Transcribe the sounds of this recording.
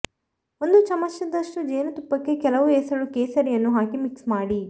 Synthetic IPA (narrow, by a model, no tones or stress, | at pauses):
ond̪ut͡ʃɐmɐʃjɐd̪ɐʂʈud͡ʒeːnɐt̪upːɐkːekɛlɐʋueːsɐɽukeːsɐɾijɐnːuɦaːkimiksmaːɽi